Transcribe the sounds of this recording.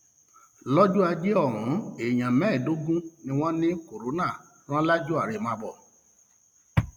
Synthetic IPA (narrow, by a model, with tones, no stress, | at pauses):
lɔ˦d͡ʒu˦a˧d͡ʒe˦ɔ˦˨ɾũ˨˦e˨j̃ã˨mɛ̃˨˦˨do˨˦ɡũ˦nĩ˧w̃ɔ̃˦nĩ˦ko˨ɾo˨˦nã˦˨ | ɾ̃ã˦la˦d͡ʒu˦a˦˨ɾe˨mãː˧bɔ˨